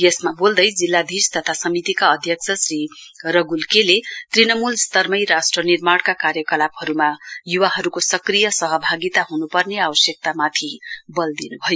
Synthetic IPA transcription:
jesmabold̪ʌjd͡zilːad̪ʱist̪ʌt̪ʰasʌmit̪ikaʌd̪ʱjʌksʰʌsriɾʌɡulkelet̪rinʌmulst̪ʌrmʌjɾasʈrʌnirmaɽkakaɾjʌkʌlaphʌɾumajuwaɦʌɾukosʌkrijʌsʌɦʌbʱaɡit̪aɦunupʌrneabʌsjʌk̚t̪amat̪ʰibʌld̪inubʱʌjo

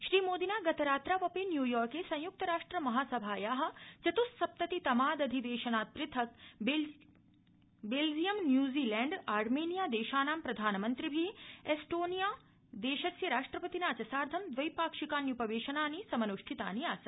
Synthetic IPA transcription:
ʃɾiːmoːd̪inaːɡɐt̪ʰɐɾaːt̪ɾaːʋɐpeːnjuːjɔːɾkeːsɐ̃j̃juk̚t̪ɐɾaːʂʈɾɐmɐɦaːsɐbʱaːjaːɦɐ̆t͡ʃɐt̪ussɐp̚t̪ɐt̪it̪ɐmaːd̪ɐd̪ʱiʋeːʃɐnaːt̪̚pɾɪt̪ʰɐkb | beːld͡ʒijɐmnjuːziːlɛːɳɖaːɾmeːnijaːd̪eːʃaːnaːmpɾɐd̪ʱaːnɐmɐnt̪ɾibʱiesʈoːnijaː | d̪eːʃɐsjɐɾaːʂʈɾɐpɐt̪inaːt͡ʃɐsaːɾd̪ʱɐmd̪ʋɐjpaːkʂikaːnjupɐʋeːʃɐnaːnisɐmɐnuʂʈʰit̪a̰ːnijaːsɐ

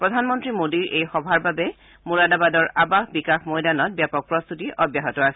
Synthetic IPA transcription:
pɹɔdʱanmɔntɹimodiɹʔejxɔbʱaɹbabɛ | muɹadabadɔɹʔabaxbikaxmɔjdanɔt̚bjapɔk̚pɹɔst̪utiʔɔbjaɦɔtɔasɛ̥

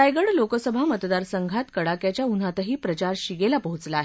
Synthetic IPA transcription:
ajɡəɽlokəsəbʱamət̪d̪aɾsəŋɡʱat̪kəɽakjat͡ɕjaun̤at̪əɦiːpɾət͡ɕaɾɕiɡelapəɦut͡slaːɦe

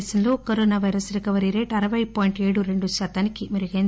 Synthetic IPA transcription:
sɐnlo̞ːkɐɾoːnaːʋɐjɾɐsɾekɐʋɐɾiɾe̞ːʈɐɾɐʋɐjpoːjiɳʈe̞ːɽuɾe̞ɳɖuʃaːt̪aːnikimɐɾuɡen

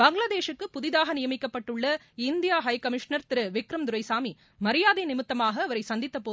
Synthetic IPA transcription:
bɐŋɡɭaːðeːʂɯkːɯpʊðɪðaːɣɐnɪjɐmɪkːɐpːɐʈːɯɭːɐ | ɪnd̪ɪjaːɦɐjkɐmɪʂnɐɾt̪ɪɾɯʋɪkɾɐmd̪ʊɾɐɪsaːmi | mɐɾɪjaːðenɪmɪt̪ːɐmaːɣɐːʋɐɾɐɪsɐnd̪ɪt̪ːɐpːoː

